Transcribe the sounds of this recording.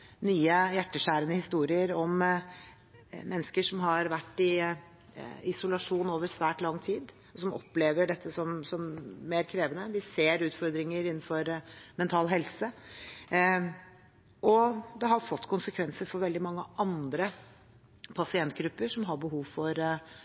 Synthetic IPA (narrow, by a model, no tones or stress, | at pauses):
nyːəjæʈːəʂæːɾənəhɪst̪uːɾɪəɾɔm | mɛnːəskəʂɔmɦɑɾʋæʈːɪ | ɪsʊlɑʂuːnoːʋəɾsʋæːʈlɑŋːt̪ʰiːd̪ | ɔsɔmʔɔ̰pːleːʋəɖɛt̪ʰːəsɔmsɔmːeːɾkʰɾeːʋənəʋɪseːɾʉːt̪fɔɾd̪ɾɪŋəɾɪnːnfɔɾmɛnt̪ʰɑːlɦɛlsə | ʔɔd̪ɛɦɑɾfɔt̪ːkʰʊnsəkʰʋɛnsəɾfɔɾʋɛld̪ɪmɑŋːəʔɑnd̪ɾə | pʰɑsɪɛnt̪ɡɾʉpːəʂɔmɦɑɾbəɦuːʋfɔɾ